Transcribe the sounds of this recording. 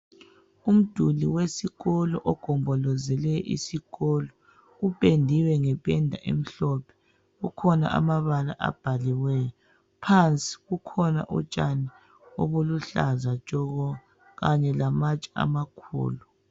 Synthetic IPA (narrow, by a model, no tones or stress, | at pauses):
um̩d̥ʱuliwesiɣɔlɔʔɔɡ̥ʱɔmbʱɔlɔzɛlɛʔḭsiɣɔlɔ | ɣupʼendʱiwɛŋɛpʼɛndʱaʔḛm̩ɬɔpʰɛ̥ | ɣukʰɔna̰ʔa̰maβala̰ʔa̰b̥ʱaliwɛjɔ | pʰant͡sʼi̥ɣukʰɔna̰ʔṵt͡ʃʼani | o̰βuluɬazat͡ʃʼɔɣɔ | ɣaɲɛlamat͡ʃʼia̰makʰṵːlu